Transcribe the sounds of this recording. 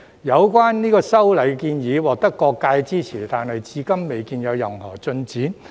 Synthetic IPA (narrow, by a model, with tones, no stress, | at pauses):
jɐ˨˧wkwaː˥nniː˥kɔː˧sɐ˥wlɐ˨jkiː˧njiː˨˧˥wɔː˨k̚t̪ɐ˥kːɔː˧kːaː˧jt͡siː˥t͡sʰiː˨˩t̪aː˨nhɐ˨jt͡siː˧kɐ˥mːe˨jkiː˧njɐ˨˧wjɐ˨mhɔː˨˩t͡sɵ˧nt͡siː˨˥n